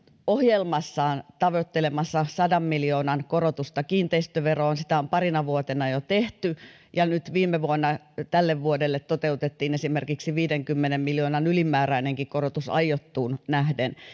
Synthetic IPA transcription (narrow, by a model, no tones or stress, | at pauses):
ohjelmɑsːɑːnt̪ɑʋot̪ːelemɑsːɑsɑdɑmmiljoːnɑnkorot̪ust̪ɑkiːnt̪eist̪øʋeroonsit̪æompɑrinɑʋuot̪enɑjot̪eht̪y | jɑnyt̪ʋiːmːeʋuonːɑ | t̪ælːeʋʋuodelːet̪tot̪eut̪et̪ːiːnesimerkiksiʋiːdeŋkymːenemmiljoːnɑnylimæːræineŋkikkorot̪usɑ̰jjot̪ːuːnnæhden